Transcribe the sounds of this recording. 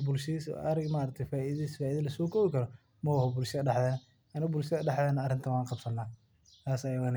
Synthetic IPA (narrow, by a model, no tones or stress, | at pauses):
bʊlʃɪsɐɾɪɡmaːɾɐk̚t̪ʰɐfaːʔiðsfaːiːðɐlɐsɔːkʰɔːβɪkʰɐɾɔ | mɐhɔbʊlʃɪðɐɖɑħðɛːnɐ | ɐnɪɣɔbʊlʃɐðɐɖɑħdɛːnɐːrɪnt̪ʰɐwɑːnqɑbsɐnːaː | t̪ʰaːsɐjɐɣan